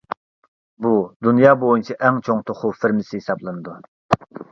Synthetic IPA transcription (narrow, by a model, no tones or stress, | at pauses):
bud̪unjɑːbojunt͡ʃʰiʔɛŋt͡ʃʰoŋt̪ʰoχʊfɪɾmɪsɪɦisɑblˠɨnɨd̪u